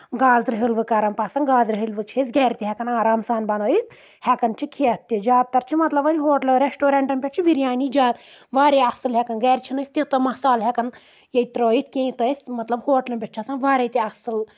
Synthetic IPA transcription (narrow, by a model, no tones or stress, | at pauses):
ɡaːzɾɨɦilʋɨkɐɾɐmpaːsɐnɡaːzɾɨɦɨlʋɨt͡ʃʰisʲɡɛːɾʲt̪ʲiɦɛkɐnaːɾamsaːnbɐnoːjit̪ | hɛkɐnt͡ʃʰikʰiɐt̪ːid͡ʒaːt̪̚t̪ːɐɾt͡ʃʰimɐt̪lɐbɐnʲɦoːʈlɐɾesʈoːɾeɳʈɐmpʲɐt͡ʃʰiʋiɾʲjaːnid͡ʒaːt̪ʋaːɾeɐsɨlɦɛkɐnɡɛːɾʲt͡ʃʰinɐsʲt̪ʲit̪ɐmɐsaːlɦɛkɐn | jɐit̪ɾoːjit̪̚kʲẽːit̪ɐsʲmɐt̪lɐbhoːʈlɐnbʲeʈ̚t͡ʃʰɐsɐnʋaːɾet̪iɐsɨl